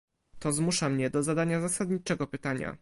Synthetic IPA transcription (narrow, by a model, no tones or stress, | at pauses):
t̪ɔzmuʂamɲɛd̪ɔzad̪aɲazasad̪ɲit͡ʂɛɡɔpɘt̪aɲa̰